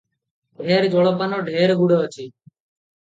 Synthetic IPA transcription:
ɖʱeːɾd͡ʒoːɭobaːnoːɖʱeːɾɡuɽoːt͡ʃʰiː

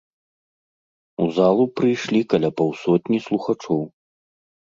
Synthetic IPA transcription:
uzalˠupɾɨjʂlʲikɐlʲapawsɔt̪ʲnʲislˠuxat͡ʂɔw

